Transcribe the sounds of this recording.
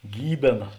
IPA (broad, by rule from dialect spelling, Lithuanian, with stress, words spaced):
ˈɡʲiːbʲeːnɐ